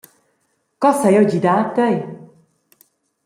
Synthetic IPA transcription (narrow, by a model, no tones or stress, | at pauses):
kɔsɛjɔɟid̪aːt̪ːɛj